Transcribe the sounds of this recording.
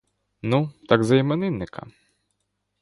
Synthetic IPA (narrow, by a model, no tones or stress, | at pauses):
nut̪aɡzɐjimɛnɪnːɪkʰɐ̰